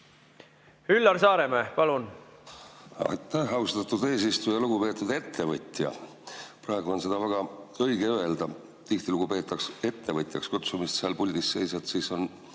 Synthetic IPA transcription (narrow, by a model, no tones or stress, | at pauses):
hylːɑrsɑːɾemeːpɑlun | ɑ̰jt̪ːæhɑwst̪ɑt̪ːˑud̪e̞ːs̬ist̪ujɑluɡupe̞ːt̪ːˑud̪e̞t̪ʰːe̞vɤt̪ʲjɑ̰ | pɾɑˑe̞ɡ̥uo̞nse̞d̪̥ɑvæɡ̥ɑɤjɡeøe̞ld̪ɑ | t̪iht̪iluɡ̥upe̞ːt̪ːˑɑkse̞t̪ːe̞vɤt̪ʲˑjɑkskut̪sumist̪seɑlpulʲd̪isːe̞jsɑt̪siːso̞n